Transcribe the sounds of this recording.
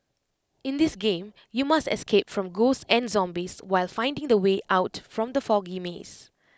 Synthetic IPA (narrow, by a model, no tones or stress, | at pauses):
ɪ̃nd̪ɪsɡẽm | jumastɛ̰skʰepfɹɔ̃mɡosɛ̃nzɔ̃mbiswaɪlfãɪ̃ndɪ̃ŋd̪əweʔaʊtfɹɔ̃md̪əfɔɡimḛs